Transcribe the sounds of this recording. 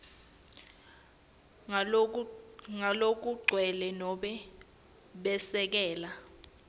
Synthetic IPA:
ŋalok̬uɡ͡ǀʱwɛlɛnɔɓɛ | ɓɛsɛk̬ɛːla

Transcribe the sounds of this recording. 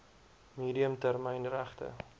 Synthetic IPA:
miːdiəmtærməjnræχtə̰

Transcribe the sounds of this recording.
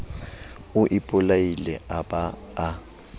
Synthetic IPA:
ʊʔɪpʼʊlailɛʔabaː

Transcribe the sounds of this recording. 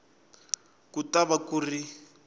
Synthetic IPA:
kutaβakuri

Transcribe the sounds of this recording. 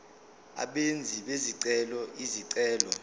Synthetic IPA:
a̰ɓend͡zʱiɓeziǀɛlɔʔiziǀɛːlɔ

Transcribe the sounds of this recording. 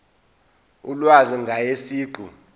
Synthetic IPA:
ulwaziŋɡʱajesiːɡ͡ǃʱu

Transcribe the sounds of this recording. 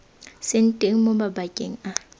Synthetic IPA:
sɪn̩tʼeŋ̩mobabakʼḛŋ̩a

